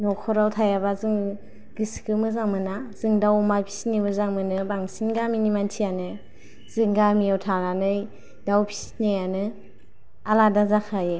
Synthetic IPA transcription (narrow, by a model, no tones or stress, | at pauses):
nɔkʰɔɾawtʰajabazɯŋ | ɡiskʰɯmɯzaŋmɯnaz̥ɯŋdawmapʰi̥sinimɯzaŋmɯnɯbaŋsinɡaminimantʰijanɯ | z̥ɯŋɡamijawtʰalanɯj | dawpʰi̥si̥tnejanɯ | aladazakʰaje